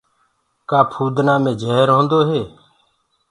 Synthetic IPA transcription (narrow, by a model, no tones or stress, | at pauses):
kaːpʰuːd̪naːmẽːd͡ʒʱeːɾɦõːnd̪oːɦeː